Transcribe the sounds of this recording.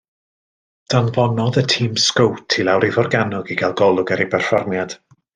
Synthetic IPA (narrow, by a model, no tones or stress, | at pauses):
d̥anvɔnɔðətʰiːmskowtʰilˠawɾivɔrɡanʊɡiɡalˠɡɔlˠʊɡɛɾipɛrfɔrmjad̥